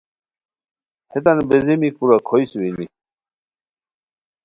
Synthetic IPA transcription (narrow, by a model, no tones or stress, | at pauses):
het̪anbezemikuɾakʰojswini